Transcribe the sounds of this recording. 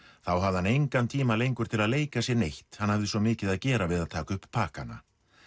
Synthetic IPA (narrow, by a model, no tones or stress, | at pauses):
θawɦavðhanejŋkant̪ʰiːmalejŋkʏɾt̪ʰɪlaðleːjkasjɛɾnejht̪hanːhavðɪsɔmɪːcɪðaðcɛːɾavɪðaðt̪ʰaːkʏhppʰːaːka̰nːa̰